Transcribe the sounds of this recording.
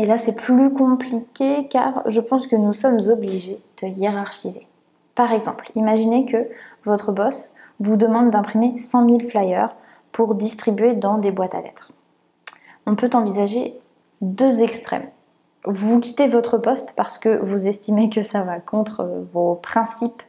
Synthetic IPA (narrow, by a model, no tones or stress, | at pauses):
elasɛplykɔ̃plikʲeka̰ʁʒəpɑ̃skənusɔmzɔbliʒed̪̥əjeʁaʁʃize | paʁɛɡzɑ̰̃plimaʒinekəvɔt̪χəbɔs | vud̪əmɑ̃d̪ːɛ̃pχimesɑ̃milflajœʁ | pʰuʁd̪ist̪χibɥed̪ɑ̃d̪ebwat̪a̰lɛ̰t̪χ | ɔ̃pøt̪ɑ̃vizaʒe | d̪øzɛkst̪χɛ̰m | vukʲi̥t̪evɔt̪χəpɔst̪paʁsə̥kəvuzɛst̪imekəsavakɔ̃t̪χə̰vopχɛ̃sip